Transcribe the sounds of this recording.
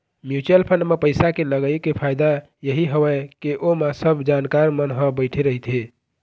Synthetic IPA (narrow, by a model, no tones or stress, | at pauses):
mjut͡ʃəlpʰənmepəjsakeləɡəjkepʰajd̪a | jəɦiɦəwəkeʔomasəbʱd͡ʒankaɾmənɦə̃bəɪʈʰeɾəɦit̪ʰɦe